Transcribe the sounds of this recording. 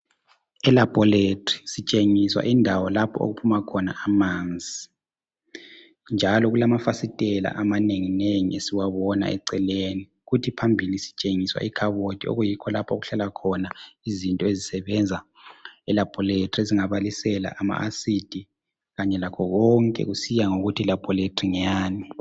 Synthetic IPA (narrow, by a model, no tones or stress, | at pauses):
ɛlab̥ʱɔletrisit͡ʃʼeŋiswa̰ʔindʱawɔlapʰɔ̰o̰ɣupʰumakʰɔnaamand͡zʱi | nd͡ʒʱalɔɣulamafasitʼɛla̰ʔamaneŋineŋḭesiwaβɔna̰ɛ̰ǀɛleni | ɣutʰipʰambʱilisi̥t͡ʃʼeŋiswa̰ikʰaβod̥ʱio̰ɣujikʰɔlapʰo̰ɣuɬalakʰɔnaizintʼɔezisɛβɛnd͡zʱa | ɛlapʰʼɔletʰʼrieziŋaβalisɛla̰ʔama̰ʔasid̥ʱi | ɣaɲɛlakʰɔɣɔŋkʼɛ̰ɣusijaŋoɣutʰilab̥ʰʱʼɔletʰʼriɲaaːni